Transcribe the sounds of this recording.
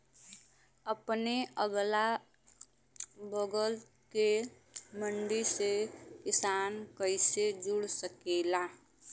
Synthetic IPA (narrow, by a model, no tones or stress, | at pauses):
əpneəɡla | bəɡəl | ke | məɳɖisekɪsaːnkəɪsed͡ʒuɽsəkela